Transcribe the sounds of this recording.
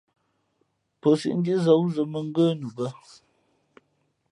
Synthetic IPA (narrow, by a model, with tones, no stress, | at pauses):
pə˨sḭ˦ʔn̩˦di˦zə˨˦wzə˨mə˨ŋ̩˦ɡə˦nu˨bə˦